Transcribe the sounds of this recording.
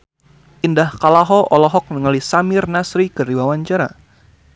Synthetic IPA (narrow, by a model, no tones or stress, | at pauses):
ʔindahkalaɦɔʔɔlɔɦɔk̚nəŋalisamɪrnasɾikəɾiwawaɲt͡ʃaɾa̰